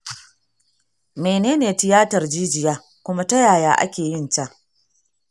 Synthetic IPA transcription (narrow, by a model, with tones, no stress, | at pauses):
meː˨neː˦neː˨tɪ˨jaː˦tɐ˨rd͡ʒiː˦d͡ʒɪ˨jaː˦ | kʷʊ˦ma˦tɐ˦jaː˨jaː˦ʔa̰˦kʲeː˨jɪ˦˨nt͡ʃa˦ʔ